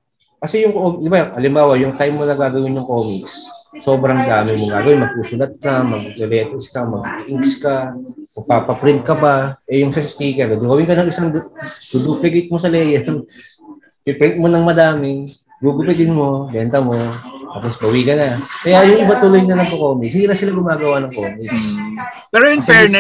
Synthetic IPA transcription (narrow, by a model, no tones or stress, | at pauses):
kɐsɛjʊŋkoːm̚d̪ɪbaʔɐlɪmbaːwɐjʊŋt̪ajmːonɐɡaːɡɐwɪnjʊŋkoːmiksso̞ːbɾɐŋd̪aːmɪmoɡaːɡɐwɪnmɐɡ̚suːsʊlɐt̪̚kɐmɐɡ̚lɛlɛːt̪ɛskɐmɐɡʔikskamɐɡ̚paːpɐpɾɪd̪̚kɐbaʔɛjʊŋsɐst̪iːkɛɾɐd̪ʊɡɐwɪŋkɐnɐŋɪsaŋdd̪ud̪uplɪkejt̪̚mo̞sɐlɛːjɛn | pɪpɾɛt̪̚mo̞nɐŋmɐd̪aːmɪ | ɡuɡʊpɛd̪ɪnmo̞bɛːnt̪ɐmo̞t̪apo̞sbɐwikɐnɐkɐjajʊŋʔɪbat̪ʊlojnɐnɐŋkokoːmikshɪnd̪iːnɐsɪlaɡʊmaːɡɐwanɐŋkoːmiks | pɛːɾojʊŋfɛɹnɛ